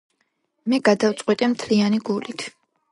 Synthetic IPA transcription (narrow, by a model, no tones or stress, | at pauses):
mɛɡad̪aft̪sʼqʼwit̪ʼɛmt̪ʰlianiɡulit̪ʰ